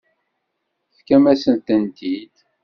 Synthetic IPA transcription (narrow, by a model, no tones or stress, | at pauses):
θkæmæsənt̪ənt̪id̪